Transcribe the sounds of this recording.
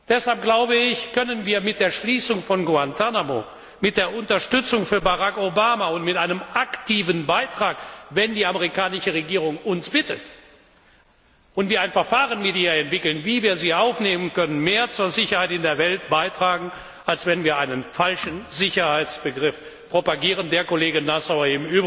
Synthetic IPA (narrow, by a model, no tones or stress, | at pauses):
d̥ɛshalp̚ɡ̥laʊbəɪçkœnənviːɐmɪt̚d̥eːɐʃliːsʊŋfɔnɡoantʰanamoː | mɪt̚d̥eːɐʊntɐʃtʏt͡sʊŋfyːɐbaʁakobaːmaʊntmɪtʔaɪnəmʔaktiːvənbaɪtʁ̥aːkvɛndiːaməʁikaːnɪʃəʁeɡiːʁʊŋʊnsb̥ɪtət | ʊntviːɐaɪnfɛɐfaːʁənmɪdjɐɛntv̥ɪkl̩nviːviːɐziːʔaʊfneːmənkœnənmeːɐt͡suːɐzɪçɐhaɪtɪndeːɐvɛlt̚b̥aɪtʁ̥aːɡŋ̩ | ʔalsv̥ɛnviːɐʔaɪnənfalʃn̩zɪçɐhaɪt͡sb̥əɡʁɪf | pʁ̥opaɡiːʁəndeːɐkoleːɡənːasaʊɐɪmyːb